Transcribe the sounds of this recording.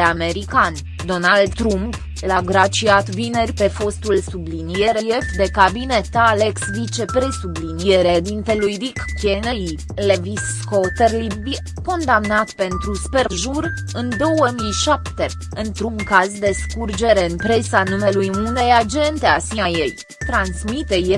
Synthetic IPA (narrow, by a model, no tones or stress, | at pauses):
ame̞ɾikan | d̪o̞nald̪t̪ɾump | laɡɾat͡ʃiat̪vine̞rʲpe̞fo̞st̪ulsublinije̞ɾejefd̪e̞kabine̞t̪ale̞ksvit͡ʃe̞pɾe̞sublinijeɾed̪int̪e̞lujd̪ikkenei | levis | kot̪erlibbi | ko̞nd̪amnat̪pe̞nt̪ɾusperʒur | ɨnd̪o̞wəmiʃapt̪e̞ | ɨnt̪ɾuŋkazd̪e̞skurd͡ʒe̞ɾe̞ɨnpɾe̞sanume̞lujune̞jad͡ʒe̞nt̪e̞asiaje̞j | t̪ɾansmit̪e̞je